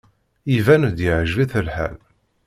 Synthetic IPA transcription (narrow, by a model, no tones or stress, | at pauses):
ivænd̪jɪʕʒviθəlħæ̰l